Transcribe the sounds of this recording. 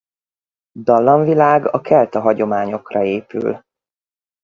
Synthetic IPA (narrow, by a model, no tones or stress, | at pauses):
d̪ɒlːɒɱvilaːɡɒkɛlt̪ɒɦɒɟo̞maːɲo̞krɒeːpy̰l